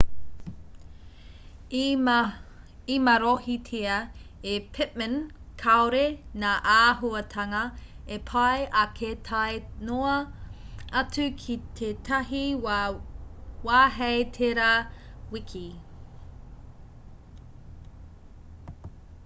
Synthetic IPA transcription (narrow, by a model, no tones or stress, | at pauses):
imɐɾohitʰeɐepʰɪt̚mə̃n | kʰaoɾenaːʔaːɦuɐtʰɐŋɐ | epʰɐjʔɐkʰetʰajnoɐ | ɐt͡sʉkʰit̪ʰetʰɐɦi | waːɦejtʰeɾawikʰi